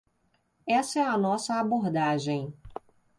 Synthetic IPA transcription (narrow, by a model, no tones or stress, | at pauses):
ɛsɐɛɐnɔsɐaboɾd̪aʒẽj̃